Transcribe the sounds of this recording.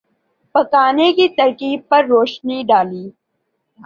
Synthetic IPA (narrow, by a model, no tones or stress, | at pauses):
pɐkaːnekit̪ɐɾkiːb̚pɐɾːoːʃniɖaːliː